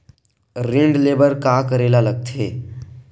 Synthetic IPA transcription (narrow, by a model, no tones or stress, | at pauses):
ɾɪ̃ɳɖleːbəɾkaːkəɾeːlaləɡ̚t̪ʰḛː